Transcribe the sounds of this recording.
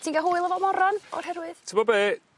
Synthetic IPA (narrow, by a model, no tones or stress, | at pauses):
tʰiːnɡaɦʊːɨjlˠəvɔmɔɾɔnɔ̰rɦɛrwɨðtʰəmɔbeː